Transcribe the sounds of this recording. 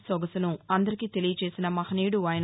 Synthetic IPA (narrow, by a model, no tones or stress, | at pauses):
sɔɡɐsɐnuɐnd̪ɐɾikiːt̪e̞lijɐt͡ʃe̞ːsinɐmɐhɐniːɽuaːjɐn